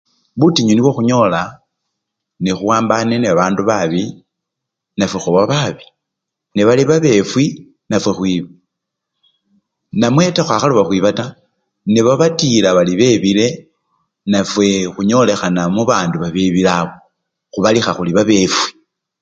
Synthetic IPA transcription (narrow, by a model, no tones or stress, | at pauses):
βutiɲuniβwoxuɲo̞la | nexuwaːmbaneneaβaːnduβaβi | nafwexuβaβaβi̥ | neβaliβaβe̞fwi | nafwe̞xwiːβa | namwe̞taxwaxaluβaxwiβata | neβaβatilaβaliβe̞βile̞ | nafwe̞xuɲo̞le̞xanamuβaːnduβaβeβilaβo | xuβalixaxuliβaβe̞fwi̥